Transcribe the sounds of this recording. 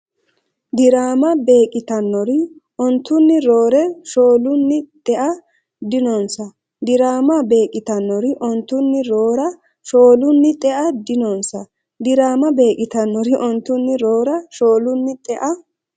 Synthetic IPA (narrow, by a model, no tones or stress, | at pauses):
d̪ɪɾaːmɐbe̞ːkʼɪt̪ɐnːɔɾɪʔɔnt̪ːʊnːɪɾo̞ːɾɛʃo̞ːlʊnːɪt̪ʼɛʔɐ | d̪ɪnɔnsɐ | d̪ɪɾaːmɐbe̞ːkʼɪt̪ɐnːɔɾɪʔɔnt̪ːʊnːɪɾo̞ːɾɐ | ʃo̞ːlʊnːɪt̪ʼɛʔɐd̪ɪnɔnsɐ | d̪ɪɾaːmɐbe̞ːkʼɪt̪ɐnːɔɾɪʔɔnt̪ːʊnːɪɾo̞ːɾɐʃo̞ːlʊnːɪt̪ʼɛʔɐ